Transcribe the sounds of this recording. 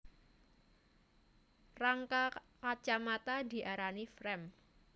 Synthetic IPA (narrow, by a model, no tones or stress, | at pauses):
raŋkakat͡ʃamat̪adi̤ʔaɾanifɾɛm